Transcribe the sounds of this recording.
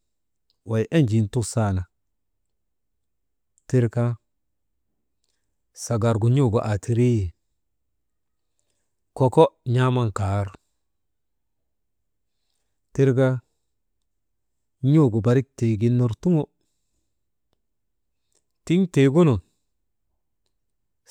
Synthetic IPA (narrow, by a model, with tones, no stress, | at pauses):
wa˨jʔe˦nd͡ʒi˨ntu˦ksa˨na˨ | ti˦ɾka˦ | sa˨ɡa˨ɾɡu˨ɲo˦˨ɡo˨ʔa˨tʰi˨ɾi˦j | kɔ˨kɔ˦ɲa˦ma˦nkaː˨˦ɾ | ti˦ɾka˦ | ɲo˦˨ɡo˨ba˨ɾi˦k̚te˨ɡi˨nːo˨ɾtu˦ŋo˦ | ti˦ŋte˨ɡu˦no˨